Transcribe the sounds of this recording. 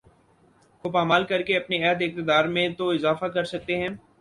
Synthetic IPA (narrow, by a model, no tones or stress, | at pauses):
kopaːmaːlkɐɾkeɐpneɛɦəd̪ɪk̚t̪ɪd̪aːɾmẽt̪oɪzaːfakɐɾsɐk̚t̪eɦɛ̃ː